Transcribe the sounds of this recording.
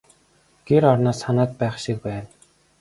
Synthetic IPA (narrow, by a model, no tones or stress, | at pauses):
ɡ̥eɾɔrnaːsχanaːt̪̚pæːχʃik̚pæːn